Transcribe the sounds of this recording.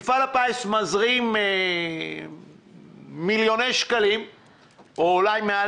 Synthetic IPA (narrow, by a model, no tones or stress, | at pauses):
falapaesmazʁime | miljonejʃkalim | oːlajmea